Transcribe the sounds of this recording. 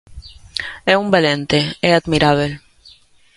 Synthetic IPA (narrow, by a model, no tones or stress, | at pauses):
ɛumbelẽnt̪eɛad̪miɾaβel